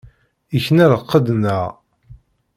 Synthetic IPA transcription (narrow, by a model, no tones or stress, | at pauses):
içnæɾəqːəd̪nəʁ